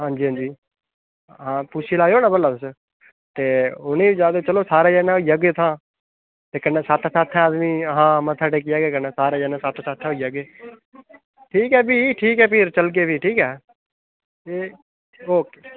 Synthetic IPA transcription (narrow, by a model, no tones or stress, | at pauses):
ɦãːɲd͡ʒiːɦãːd͡ʒiː | ɦãːpʊt͡ʃʰiːlaːoːnãːbəlːaːt̪ʊs | t̪eːʊnẽːd͡ʒaːd̪oːt͡ʃəloːsaːɾeːd͡ʒɛːnãːoijəɡeːt̪ʰãː | t̪eːkənːɛːsat̪ʰːsaːt̪ʰːɛ̃ːaːd̪miːɦãːmə̃t̪ʰaːʈeːk̬ɪjaːɡeːkənɛ̃ːsaːɾeːd͡ʒɛːnɛ̃ːsat̪ʰːsaːt̪ʰːɛ̃ːɦoijəɡeː | ʈʰiːkɛːbiːʈʰiːkɛːpʰɪɾt͡ʃəlk̬eːbiːʈʰiːkɛː | eː | oːkeː